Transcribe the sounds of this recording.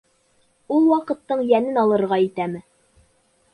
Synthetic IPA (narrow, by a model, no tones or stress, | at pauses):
ulˠwɑqɤ̆t̪ːɤɴjænɘnɑlˠɤ̆ɾʁɑit̪æmɘ